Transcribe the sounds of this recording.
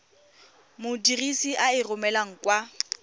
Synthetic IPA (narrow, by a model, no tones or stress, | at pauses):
mʊdirisiʔaɪrʊmɛlaŋ̩kwa